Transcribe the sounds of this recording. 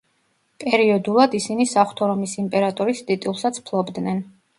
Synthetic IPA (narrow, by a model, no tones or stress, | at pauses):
pʼɛɾiɔd̪ulˠad̪isinisaχt̪ʰɔɾɔmisimpʼɛɾat̪ʼɔɾisd̪it̪ʼilˠsat̪sʰpʰlˠɔbd̪nɛn